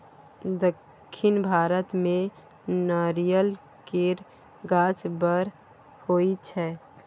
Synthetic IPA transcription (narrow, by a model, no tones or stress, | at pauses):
d̪əkʰːɪnbʱaːɾət̪mẽ | naɾijəl | keɾ | ɡaːt͡ʃbəɾ | hoit͡ʃʰɛ